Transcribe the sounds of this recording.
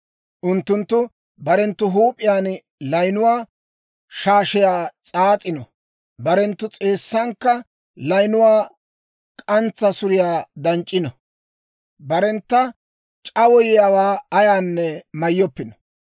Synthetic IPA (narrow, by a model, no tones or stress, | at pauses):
ʔʊnt̪ːʊnt̪ːʊ | bɐɾɛnt̪ːʊɦuːpʼɪjaːn | lɐjnʊwaː | ʃaːʃɪjaːt͡sʼaːt͡sʼɪnɔ | bɐɾɛnt̪ːʊt͡sʼe̞ːsːɐŋkːɐ | lɐjnʊwaː | kʼɐnt͡sːɐsʊɾɪjaːd̪ɐnt͡ʃʼːɪnɔ | bɐɾɛnt̪ːɐ | t͡ʃʼɐwɔjɪjaːwaːɐjaːnːɛmɐjːɔpːɪnɔ̥